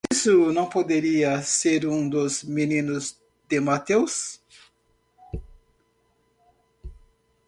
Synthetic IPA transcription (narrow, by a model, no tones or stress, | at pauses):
isʊnɐ̃w̃pod̪eɾiɐseɾũd̪ʊzminĩnʊz | d̪ɪmat̪ews